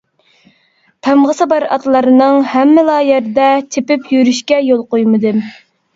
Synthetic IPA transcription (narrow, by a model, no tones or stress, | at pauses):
pʰɛmʁəsɨbɑɾɑ̰t̪lˠɑɾɨnɨŋhɛmːɪlˠɑːjæɾd̪ɛt͡ʃ̪ʰepɪpʰjyɾyʃkʲɛjolˠqojmɨd̪ɨm